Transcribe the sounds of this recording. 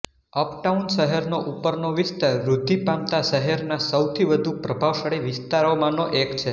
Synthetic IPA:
əpʈaunʃəɦɛɾnoʔupəɾnoʋɪst̪aɾɾud̪ʱːipamt̪aʃəɦɛɾnasəwt̪ʰiʋəd̪ʱupɾəbʱaʋʃəɭeʋɪst̪aɾomãnoʔekt͡ʃʰe

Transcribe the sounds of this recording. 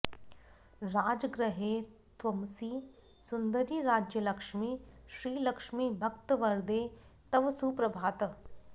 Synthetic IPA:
ɾaːd͡ʒɡɾəɦe | t̪ʋɐmsiː | sʊnd̪əɾiɾaːd͡ʒjəlɐkʃmiːʃɾiːlɐkʃmiːbʱɐkt̪əʋɐɾd̪e | t̪ɐʋsuːpɾɐbʱaːt̪

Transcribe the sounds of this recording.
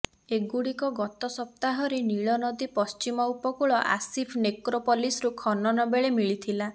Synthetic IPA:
eɡuɽikɔɡɔt̪ɔsɔp̚t̪aɦɔɾeniɭɔnɔd̪ipɔst͡ʃimɔupɔkuɭɔʔa̰sipʰnekɾopɔlisɾukʰɔnɔnɔbeɭemiɭit̪ʰila

